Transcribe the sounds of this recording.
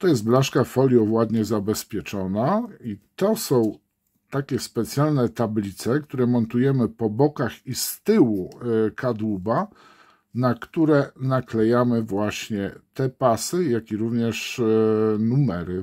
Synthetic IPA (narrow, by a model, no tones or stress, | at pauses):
t̪ɔjɛst̪̚blaʂkafɔlʲjɔvwad̪ɲɛzabɛspʲjɛt͡ʂɔnait̪ɔsɔ̃w̃ | t̪akʲɛspɛt̪sʲjalnɛt̪ablʲit̪sɛkt̪uɾɛmɔnt̪ujɛmɘpɔbɔkaxist̪ɘwukʰad̪wuba | nakt̪uɾɛnaklɛjamɘvwaɕɲɛt̪ɛpasɘjakʲiɾuvɲɛʂ | numɛɾɘ